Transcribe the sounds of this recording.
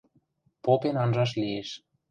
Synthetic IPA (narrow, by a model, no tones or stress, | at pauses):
popenɑnʒɑʃ̬lieʃ